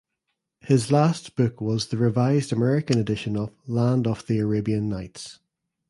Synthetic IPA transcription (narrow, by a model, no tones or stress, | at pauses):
hɪzlasb̥ʊkwɒzðəɹɪvaɪzdəmɛɹɪkə̃nədɪʃə̃nəvlãndəv̥ðiəɹebiə̃nːaɪts